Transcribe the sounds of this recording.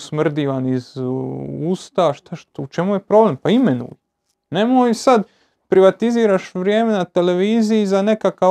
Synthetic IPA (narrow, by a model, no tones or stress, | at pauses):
smr̩d̪iːʋaniz | uːst̪aʃt̪aʃt̪ut͡ʃe̞mujepɾo̞ble̞mpaime̞nṵːj | ne̞mojsad̪ | pɾʔiʋat̪iziːɾaʃʋɾʲje̞ːme̞nat̪e̞le̞ʋiːzijizane̞kaka